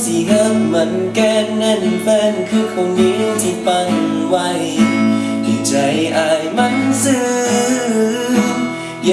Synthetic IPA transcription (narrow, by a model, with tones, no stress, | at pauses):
si˧˩ʔə˧˥mːɯ˨˦ənka˧nːa˧˩n˧˩fɛ˧˥nkʰɯː˧˩kʰo˧ŋdiː˧˦ɾŋt̪ʰi˧˩pa˧nwa˧˩j | d̪i˧˩t͡ɕa˧˦jʔa˧jma˧˥nsɯː˧˩˧ | ja˧